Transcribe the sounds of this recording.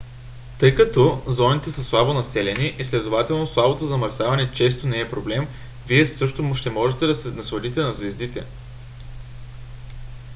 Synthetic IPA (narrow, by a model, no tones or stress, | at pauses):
t̪ɤjkɐt̪ɔzɔnit̪ɛsəslˠabonɐsɛlɛniʔislɛd̪ovat̪ɛlˠnoslˠabot̪ozɐmɐɾsavɐnɛt͡ʃɛs̬t̪onɛɛpɾoblɛm | viɛsɤʃt̪oʃt̪ɛmɔʒɛt̪ɛd̪ɐsɛnɐsod̪it̪ɛnɐzvɛzd̪it̪ɛ̰